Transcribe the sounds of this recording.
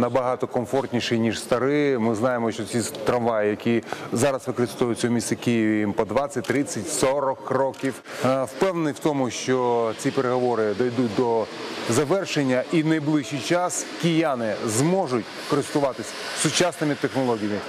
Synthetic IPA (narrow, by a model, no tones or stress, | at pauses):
nɐbɐɦɑt̪ɔkɔmfɔrtʲnʲiʃɛjnʲiʃst̪ɐɾɪmɪznɑjemɔʃt͡ʃɔt͡sʲit̪ɾɐnʋɑjɪjɐkʲizɑɾɐsʋɪkɔɾɪst̪ɔjʊt͡sʲɔɔmʲisɐkʲijiʋʲɐjimpɔd̪ʋɑt͡sʲːɐt̚ʲt̪ɾɪt͡sʲːɐtʲsɔɾɔkrɔkʲiw | wpɛwnenɪwt̪ɔmʊʃt͡ʃɔt͡sʲipeɾeɦɔʋɔɾɪd̪ɔjd̪ut̚ʲd̪ɔzɐʋɛrʃenʲːɐʔinɐjblˠɪʃijt͡ʃɑskʲɪjanɪzmɔʒʊtʲkɔɾɪst̪ʊʋɑt̪ɪsʲsʊt͡ʃɑsnomʲit̪exnɔlˠɔɦʲijɐmʲɪ